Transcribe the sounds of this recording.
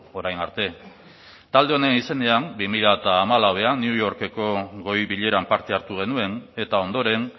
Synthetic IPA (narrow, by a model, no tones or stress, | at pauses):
o̞ɾajnaɾt̪e̞ | t̪ald̪e̞one̞nise̞ne̞ambimiʎat̪aːmalawe̞aniujo̞ɾke̞ko̞ɣo̞jβiʎe̞ɾampaɾt̪e̞aɾt̪uɣ̞e̞nue̞ne̞t̪ao̞nd̪o̞ɾe̞n